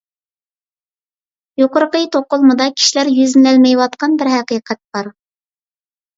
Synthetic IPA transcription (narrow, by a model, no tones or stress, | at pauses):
joqəɾəqəjt̪ʰoqʊlˠmud̪ɑkʲʰi̥ʃilæɾjyznɪlɛlmɛjwɑt̪qɑnbɪɾɦɛqiqʰɛt̪̚b̥ɑɾ